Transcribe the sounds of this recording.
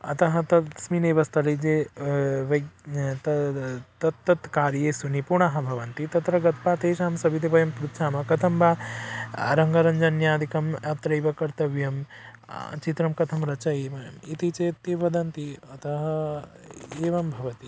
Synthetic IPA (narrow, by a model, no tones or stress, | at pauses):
ɐ̰t̪ɐɦɐ̆t̪ɐsmineːʋɐst̪ʰɐlid͡ʒe | ʋɐt̪ɐt̪ɐt̪ːɐt̪kaːɾjesunipuɾɳaɦɐ̆bʱɐʋɐnt̪it̪ɐt̪ɾɐɡɐt̪paːt̪eːʃaːmsɐbʱit̪ebɐjɐmpɾut̪ʃʰaːmɐkɐt̪ʰɐmba | ɾɐŋɡɐɾɐɲd͡ʒɐnjãːd̪ʱikɐmɐt̪ɾɐjʋɐkɐɾt̪ɐʋjɐm | t͡ʃit̪ɾɐmkɐt̪ʰɐmɾɐt͡ʃɐeːmɐjɐmit̪it͡ʃet̪iʋɐd̪ɐnt̪iɐt̪ɐɦɐ | eːʋɐmbʱɐʋɐt̪i